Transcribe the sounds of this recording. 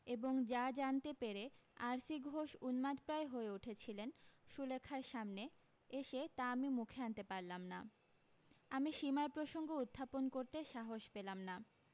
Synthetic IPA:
eboŋd͡ʑad͡ʑant̪epeɾeaɾsiɡʱoʃunmad̪pɾaeɦoeuʈʰet͡ɕʰilenʃulekʰːaɾʃamne | eʃet̪aamimukʰeant̪epaɾlamna̰ | amiʃimaɾpɾoʃoŋɡoud̪ʱːaponkoɾt̪eʃaɦoʃpelamna

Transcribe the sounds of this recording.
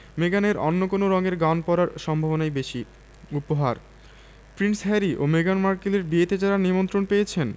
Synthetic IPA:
meɡaneɾɔnːokonoɾɔŋeɾɡanpɔɾaɾʃɔmbʱabonajbeʃi | upoɦaɾ | pɾinsɦɛɾiʔo̰meɡanmaɾkileɾbiet̪ed͡ʑaɾanimont̪ɾonpejet͡ɕʰen

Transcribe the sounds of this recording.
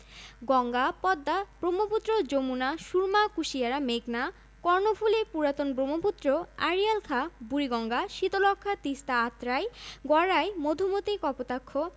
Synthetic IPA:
ɡɔŋɡapɔd̪ːab̥ɾomoput̪ːɾod͡ʑomunaʃuɾmakuʃiaɾameɡna | kɔɾnofʰulepuɾat̪onbɾomoput̪ːɾoaɾijalkʰabuɾiɡɔŋɡaʃit̪olɔkʰːat̪ist̪aat̪ːɾajɡɔɾajmod̪ʱumot̪ikɔpot̪akʰːo

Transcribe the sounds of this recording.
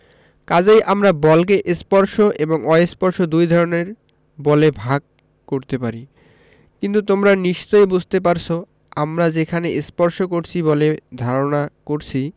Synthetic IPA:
kad͡ʑejʔamɾabɔlk̬eʔespɔɾʃoʔeboŋɔespɔɾʃod̪ujd̪ʱɔɾoneɾ | bɔlebʱaɡ̚ | koɾt̪epaɾi | kint̪ut̪omɾaniʃt͡ɕoebud͡ʑʱt̪ep̬aɾt͡ɕʰo | amɾad͡ʑekʰaneʔespɔɾʃokoɾt͡ɕʰiboled̪ʱaɾonakoɾt͡ɕʰi

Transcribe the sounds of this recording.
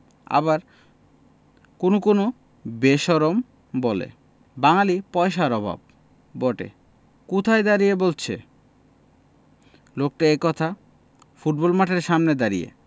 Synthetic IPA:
a̰baɾ | konokono | beʃɔɾom | bolḛ | baŋalipɔeʃaɾɔbʱa̰b̚ː | oʈḛ | kut̪ʰajd̪aɾijebolt͡ɕʰe | lok̚ʈaekɔt̪ʰa | fuʈ̚bɔlmaʈʰeɾʃamned̪aɾijḛ

